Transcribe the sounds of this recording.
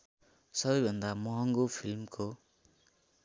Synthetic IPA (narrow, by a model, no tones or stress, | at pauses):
sʌbʌjbʱʌnd̪amʌɦʌŋɡopʰilmko